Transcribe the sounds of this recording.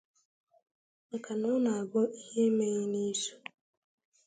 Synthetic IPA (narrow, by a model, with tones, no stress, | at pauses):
ŋ̩˨ka˨nʊ˦na˨a˨bɔ˦ʔi˦he˦me˦ɣe˦ni˦su̥˦